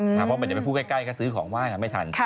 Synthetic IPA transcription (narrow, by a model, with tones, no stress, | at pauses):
a˦˩ɔ˧˩˦njppʰuː˥˩kaː˥˩ka˥˩jkʰaː˦˥˩sɯː˦˥˩kʰɔ̰ː˩˦ŋwaː˥˩ŋka˧˩ma˥˩jt̪ʰa̰˧nʰ˧